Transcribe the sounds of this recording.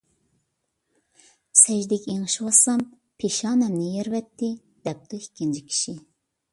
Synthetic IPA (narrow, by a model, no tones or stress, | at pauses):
sɛʒd̪ɛkʲeŋɨʃwɑsɑm | pʰeʃɑːnɛmnɪjɛɾvɛt̪ːɪ | d̪̥ɛp̚d̪uikʲʰːind͡ʒʰikʲʰi̥ʃi